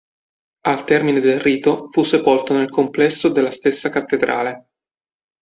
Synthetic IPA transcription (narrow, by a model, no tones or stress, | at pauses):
alt̪ɛrmined̪elriːt̪ofusːepolt̪onelkomplɛsːod̪elːast̪esːakat̪ːed̪ɾʔa̰ːle